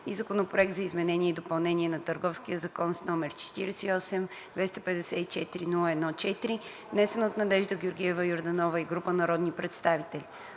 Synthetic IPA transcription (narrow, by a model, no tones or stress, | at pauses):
izɐkonopɾoɛk̚t̪zɐizmɛnɛniɛid̪opɐlˠnɛniɛnɐt̪əɾɡɔfskiəzɐkɔnsnɔmɛɾt͡ʃɛ̥t̪iɾɛsɛiɔsɛm | d̪vɛst̪ɐpɛd̪ɛsɛit͡ʃɛt̪iɾinulˠəɛd̪nɔt͡ʃɛt̪iɾi | vnɛsɛnot̪nɐd̪ɛʒd̪əɡʲoɾɡʲiɛvəjoɾd̪ɐnɔvəiɡɾupənɐɾɔd̪nipɾɛt̪st̪avit̪ɛlʲi